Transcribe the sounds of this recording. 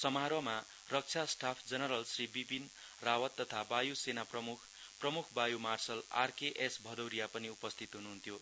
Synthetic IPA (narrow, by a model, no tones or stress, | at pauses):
sʌmaɾʌma | rʌk̚t͡sʰasʈapʰd͡zʌnʌɾʌlsribibin | rawʌt̪ːʌt̪ʰabajusenaprʌmukʰ | prʌmukʰbajumarsʌla̰rkeʔesbʱʌd̪ʌwɾijapʌniupʌst̪ʰit̪ɦunuɦunt̪ʰjo